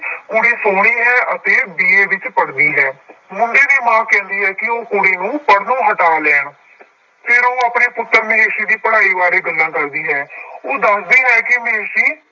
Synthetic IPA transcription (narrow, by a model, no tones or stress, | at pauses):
kuɽiːsoːɽ̃iːɦɛːʔət̪eːbiːeːʋɪt͡ʃpəɽd̪iːɦɛːmʊɳɖeːd̪iːmãːkɛ̃ːnd̪iːɦɛːkɪoːkoɽiːnũːpəɽnũːɦəʈaːlɛːɳ | pʰɪɾoːaːpneːpʊt̪ːəɾmɪeːʃiːd̪iːpəɽaːiːʋaːɾeːɡəlːãːkəɾd̪iːɦɛːoːd̪əsd̪iːɦɛːkɪmɪeːʃiː